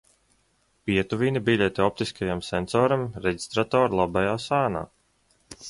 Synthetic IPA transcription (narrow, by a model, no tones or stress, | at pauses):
pʲiɛt̪uvinibilʲet̪eɔp̚t̪iskajamsɛnsɔːɾamɾeɟi̥st̪ɾat̪ɔːɾlˠabajaːsaːna̰ː